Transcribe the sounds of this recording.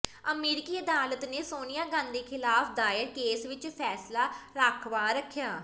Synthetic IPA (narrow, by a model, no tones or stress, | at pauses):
əmeːɾɪkiːəd̪aːlət̪neːsoːnijãːɡãːnd̪eːkʰɪlaːpʰd̪aːjəɾkeːsʋɪt͡ʃpʰɛːslaːɾaːkʰʋaːɾəkʰːjaː